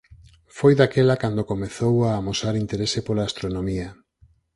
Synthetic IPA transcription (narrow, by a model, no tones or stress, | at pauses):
fojðakelakand̪okomeθowaːmosaɾint̪eɾesepolaːst̪ɾonõmiɐ